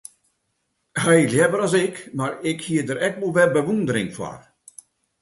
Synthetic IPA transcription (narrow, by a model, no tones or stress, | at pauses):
hɛjljɛvəɾɔsɪkmarɪkhiədəɾɛkʋolˠʋɛbəʋundəɾɪŋfwa̰r